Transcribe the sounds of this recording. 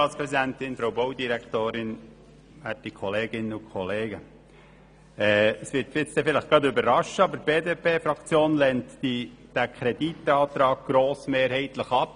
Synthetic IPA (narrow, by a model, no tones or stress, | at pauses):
ɑːtspɾɛzid̪ænt̪ɪnfɾowboʊd̪iɾækt̪oːɾɪn | ætːikʰχɔleːɡɪnəʊkʰχɔleːɡə | ɛəsʋɪɾtfɪt͡st̪ɛfɪləχɡ̥ɑtʏbəɾːɑʃəɑbəɾb̥eːdeːpʰeːfɾɑkt͡sjoːnlɛnt̪id̥ækʰɾɛd̥it̪ɑːt̪ɾɑːɡ̥̚ɡ̥ɾoːsmeːɾhɛɪtləχɑp̚